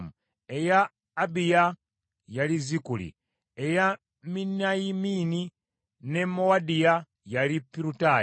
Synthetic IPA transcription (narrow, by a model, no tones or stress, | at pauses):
mu | ejaː | bija | jalizikulḭ | eja | minajimini | ne̞mowadija | jalipːiɾuta